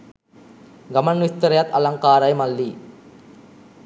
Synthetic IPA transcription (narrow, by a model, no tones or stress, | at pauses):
ɡɐmɐnʋist̪ːɐɾɐjɐt̪ɐ̰lɐŋkaːɾɐjmɐlːi